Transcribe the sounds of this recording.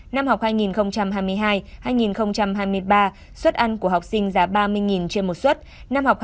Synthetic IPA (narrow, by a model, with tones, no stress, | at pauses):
na˧mhɦa˨˩wk͡p̚haː˧jŋi˨˩nxə˧wŋ͡mt͡ɕa˧mɦaː˧jmɨ˧əjɦaː˧jhaː˧jŋi˨˩nxə˧wŋ͡mt͡ɕa˧mɦaː˧jmɨ˧əjɓaː˧ | swə˦˥t̚ʔa˧nku˧˩əɦa˨˩wk͡p̚sï˧ŋ̟zaː˨˦ɓaː˧mɨ˧əjŋi˨˩nt͡ɕe˧mo˨˩t̚swə˦˥t̚na˧mha˨˩wk͡p̚